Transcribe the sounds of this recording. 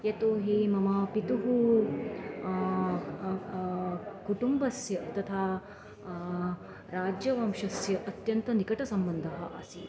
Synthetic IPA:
et̪oːɦimɐmɐpit̪uɦu | kuʈumbɐsjɐt̪ɐt̪ʰaː | ɾaːd͡ʒjɐʋɐmʃɐsjɐʔɐt̪jɐnt̪ɐnikɐʈɐsɐmbɐnd̪ʱɐɦɐʔɐsi

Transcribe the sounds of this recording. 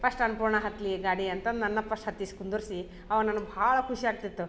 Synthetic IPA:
pɐʂʈɐnpuːɾɳɐɦɐt̪liɡaːɽiɐnt̪ɐnɐnːɐpʰɐʂʈɦɐt̪ːiskund̪uɾsi | ɐʋɐnɐnːubʱaːɭɐkʰuʃiaːɡ̚t̪it̪ːu

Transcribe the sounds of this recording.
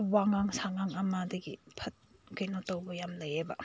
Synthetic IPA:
waŋaŋsaŋaŋamadiɡipʰɐt̚kɯjnɔtɔwbɔjamlɐjebɐ

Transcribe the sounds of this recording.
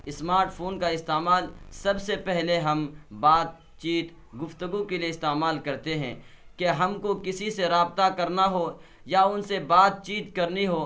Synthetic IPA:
ɪsmaːɾʈpʰoːnkaɪst̪eːmaːlsɐbsepɛɦleɦɐmbaːt̪̚ | t͡ʃiːt̪ | ɡʊft̪əɡukelieɪst̪eːmaːlkɐɾt̪eɦɛ̰̃ː | keɦɐmkokɪsiseɾaːbt̪akɐɾnaɦo | jaʊnsebaːt̪̚t͡ʃiːt̪kɐɾniɦoː

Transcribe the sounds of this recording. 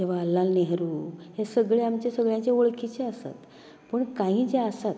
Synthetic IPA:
d͡ʑeʋ̤aːlːalneɦɾuːɦesəɡɭeamt͡ɕesəɡɭjãt͡ɕeoɭkit͡ɕeəsa̰t̪ | pəɳkãɦĩːd͡zeəsat̪

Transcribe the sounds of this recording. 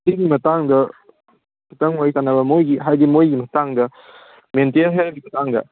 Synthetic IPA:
diɡimɐtaŋdɐ | pɐtɐŋwajsanɐbɐmojɡiɦajdimojɡimɐtaŋdɐ | mentelɦeɾɡimɐtaŋdɐ̰

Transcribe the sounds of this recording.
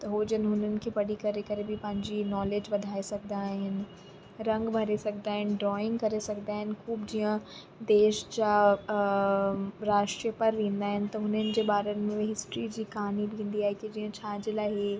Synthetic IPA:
t̪ɐɦoːd͡ʑənɪ̆ɦʊn̤ənɪ̆kʰeːpɐɽikɐɾekɐɾebʱɪpɐ̃ɦɪ̃ɲd͡ʑinɔːleːd͡ʑʋɐd̪ʱaːesɐɡʱd̪aːɦɪnɪ̆ | ɾɐ̃ŋɡbʱɐɾesɐɡʱd̪aːɦɪnɪ̆ɖɾɔːɪ̃ŋɡkɐɾesɐɡd̪aːɦɪnɪ̆xuːbd͡ʑiə̃ | d̪eːʃd͡ʑa | ɾaːʃʈɾijəpɐɾʋẽːnd̪aːɦɪnɪ̆t̪ɐɦʊn̤ənɪ̆d͡ʑeːɓaːɾənɪ̆mẽɦɪsʈɾid͡ʑiːkɐɦaːnibĩːn̆d̪iaːɦekid͡ʑiːə̃t͡ɕʰaːd͡ʑelaːɦe

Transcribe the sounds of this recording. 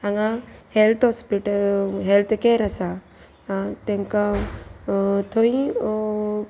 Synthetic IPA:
aŋahelt̪ʰɔspiʈəlɦelt̪ʰkeɾasa | t̪ẽŋka | t̪ʰoĩ

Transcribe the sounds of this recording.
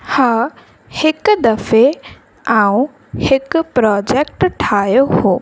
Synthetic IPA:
ha | hekd̪əfʰe | aw̃ | hekpɾɔd͡ʒɛk̚ʈʈʰajoho

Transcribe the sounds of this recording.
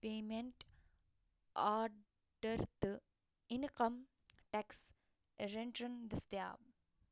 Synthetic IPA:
peːmẽɳʈ | aːɾ | ɖɐɾt̪ɨ | inkɐm | ʈæks | ɾeɳʈɾɐnd̪ɐst̪ja̰ːb̚

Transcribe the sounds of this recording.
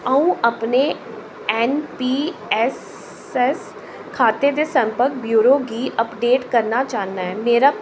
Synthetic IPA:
əũːʔəpneː | ɛːnpiːɛs | ɛs | kʰaːt̪eːd̪eːsə̃mpəɾk̚bjuːɾoːɡiːʔəpɖeːʈkəɾnat͡ʃaːnaːɦɛːmeːɾaː

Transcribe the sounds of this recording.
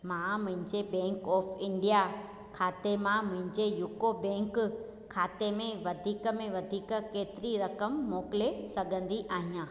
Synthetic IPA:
mãːmʊ̃ɦɪ̃ɲd͡ʑebɛ̃ːŋkɔːfɪ̃ɳɖija | kʰaːt̪emãmʊ̃ɦɪ̃ɲd͡ʑejʊkobɛ̃ːŋk | kʰaːt̪emẽʋɐd̪ʱiːkə̆mẽʋɐd̪ʱiːkkeːt̪ɪɾiɾɐkəmːɔːkɪlesɐɡʱə̃nd̪iʔaːɦijãː

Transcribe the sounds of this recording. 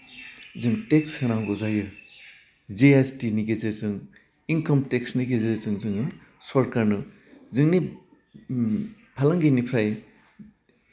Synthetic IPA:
zɯŋtekshɯnaŋɡozajɯ | zeestiniɡezɯzɯŋ | inkɐmtek̚sniɡezɯzɯŋzɯŋɯ | sɔɾkaɾnɯ | zɯŋni | pʰalaŋɡinipʰɾaj

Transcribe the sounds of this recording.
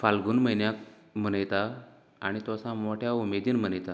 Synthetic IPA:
falɡuːnməjnjak | m̤ənəjt̪a | aɽ̃it̪osãmoʈʰjaumed̪iːnm̤ənəjt̪a

